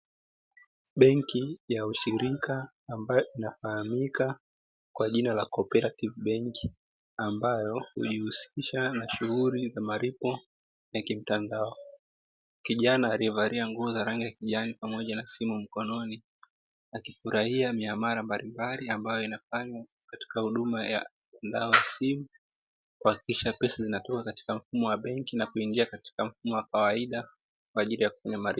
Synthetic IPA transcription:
ɓɛŋkijauʃiɾikʰaː | mbajɔinafahamika | kwaʄinalakɔpɛɾativɓɛŋki̥ | ambajɔhṵʄihusiʃanaʃuhulizamaɾipɔ | jakim̩tandaɔ | kiʄanaːɾivaɾiaŋɡuːzaɾaŋɡijakiʄanipamɔʄanasimum̩kɔnɔni | akifuɾahiamiamaɾambalʔimbaliambajɔinafaɲwa | kati̥kahuɗumaja̰m̩tandaɔjasimu | kwuhakikiʃapɛsazinatɔkakati̥kam̩fumɔwaɓɛŋkinakuiŋɡiakati̥kam̩fumɔwakawaiɗa | k̚waːʄilijaku̥faɲamaɾip

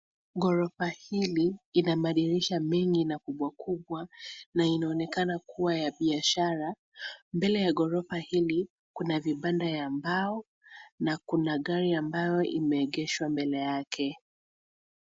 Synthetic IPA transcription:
ɠɔɾɔfahiliːnaɓaɗiɾiʃamɛŋɡinakuɓwakuɓwanainaɔnɛkanakuwajaɓiaʃaɾa | mbɛlɛjaɠɔɾɔfahili | kunaviɓandajambaɔ | nakunaɠaɾiambajɔʔḭmɛːɠɛʃwambɛlɛjakʰɛ

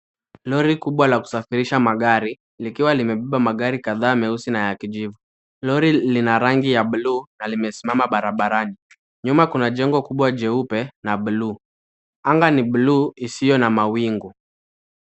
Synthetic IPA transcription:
lɔɾikuɓwalaku̥safiɾiʃamaɠaɾi | likiwalimɛɓɛɓamaɠaɾikaðaːmɛusinajakiʄivu | lɔɾilinaɾaŋɡijaɓuluːnalimɛsimamaɓaɾaɓaɾani | ɲumakunaʄɛŋɡɔkuɓwaʄɛupɛnaɓuluː | aŋɡaniɓluːisijɔnamawiŋɡu

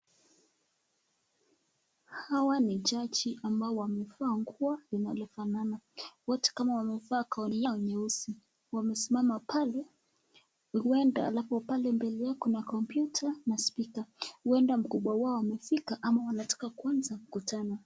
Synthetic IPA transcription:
hawanit͡ʃat͡ʃiʔambaɔwamɛfaːŋkualinalɔfananawɔtɛ̥kamawamɛfaːkaɔniaɔɲɛusi | wamɛsimamapʰalɛ | huɛnda̰ːlapɔpalɛmbɛlɛjakunakɔmpjutʰanaspikahuɛndam̩kuɓwawaɔwamɛfikaʔamawanatḁkakuanzam̩kutana

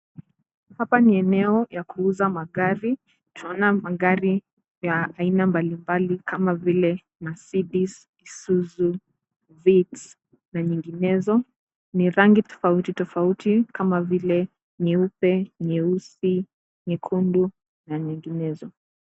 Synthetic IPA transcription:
hapaniɛnɛɔjakuuzamaɠaɾi | tunaɔnamaɡaɾi | jaainambalimbalikʰamavilɛ | masiɗis | isuzu | vits | naɲiŋɡinɛzɔ | niɾaŋɡitɔ̥fautitɔfautʰikamavilɛ | ɲɛupɛɲɛusi | ɲɛkʰundu | naɲiŋɡinɛzɔ

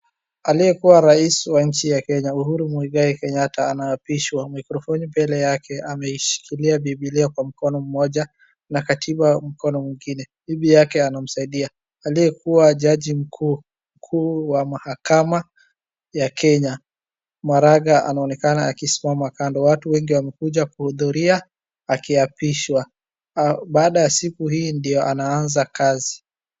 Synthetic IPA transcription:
alijɛkuwaɾaiswaɲ̩t͡ʃijakɛɲauhuɾumuiɡaikɛɲataːnaːpiʃwamikɾɔfɔnimbɛlɛjakɛamɛiʃi̥kiliaɓiɓilɛɔkwam̩kɔnɔm̩mɔʄa | nakatʰiɓam̩kɔnɔmwiŋɡinɛ | ɓiɓijakɛanam̩saiɗia | aliɛkuwaʄaʄim̩kʰu | m̩kʰuːwamahakama | jakɛɲa | maɾaɠaʔa̰naɔnɛkanaakisi̥mamakandɔwatuwɛŋɡiwamɛkuʄakuhuðuɾia | akiapiʃwa | ɓaːɗajasikuhiːndijɔʔanaanzakazi

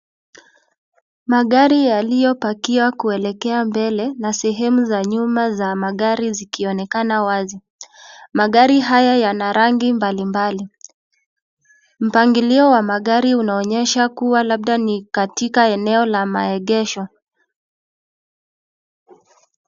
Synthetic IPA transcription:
maɠaɾijalijɔpakiwakuɛlɛkɛambɛlɛnasɛɦɛmuzaɲumazamaɠaɾizikiɔnɛkanawazi | maɠaɾiɦajajanaɾaŋɡimbalimbali | m̩paŋɡiliɔwamaɠaɾiunaɔɲɛʃakuwalaɓ̚ɗanikatikaɛnɛɔlama̰ɛɠɛʃɔ

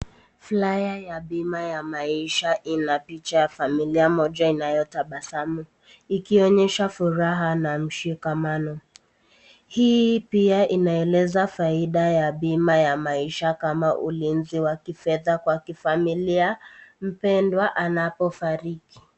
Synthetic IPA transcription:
flajajaɓimajamaiʃaʔinapit͡ʃajafamiliamɔʄainajɔtaɓasamu | ikiɔɲɛʃafuɾaɦanam̩ʃikamanɔ | hiːpiaʔinaɛlɛzafaiɗajaɓimajamaiʃakamaʔṵlinziwakifɛðakwakifamiliam̩pɛndwaʔanapɔfaɾiki̥

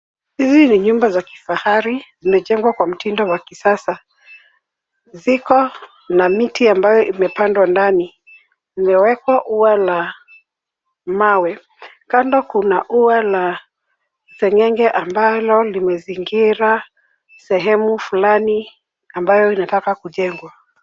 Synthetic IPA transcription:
hiziniɲumbazaki̥fahaɾizimɛʄɛŋɡwakwam̩tindɔwakisasa | zikɔ | namitiambajɔʔimɛpandwandani | imɛwɛkwaʔuala | mawɛ | kandɔkunaʔuala | sɛŋɛŋɡɛʔambalɔlimɛziŋɡiɾa | sɛɦɛmufulani | ambajɔinatakakuʄɛŋɡwa

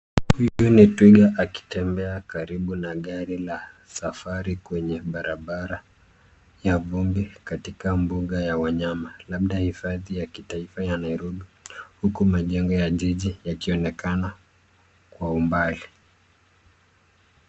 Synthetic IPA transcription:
hujunitwiɠaʔaki̥tɛmbɛakaɾiɓunaɠaɾila | safaɾikwɛɲɛɓaɾaɓaɾa | javumbikatikambuɠajawaɲamalaɓɗahifaðijaki̥taifajanaiɾuɗihukumaʄɛŋɡɔjaʄiʄijakiɔnɛkana | kwaumbali

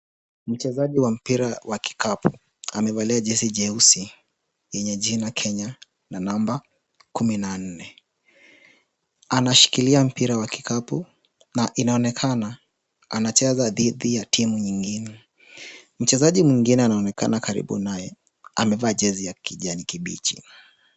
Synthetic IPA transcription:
m̩t͡ʃɛzaʄiwam̩piɾawʔaki̥kʰapʰu | amɛvaliaʄɛsiʄɛusi | jɛɲɛʄinakʰɛɲa | nanamba | kuminan̩nɛ | anaʃi̥kiliam̩piɾawaki̥kapu | naʔinaɔnɛkʰana | anat͡ʃɛzaðiðijatʰimuɲiŋɡinɛ | m̩t͡ʃɛzaʄimwiŋɡinɛanaɔnɛka̰nakaɾḭɓṵnajɛ | amɛvaːʄɛzijakʰiʄanikiɓḭːt͡ʃḭna

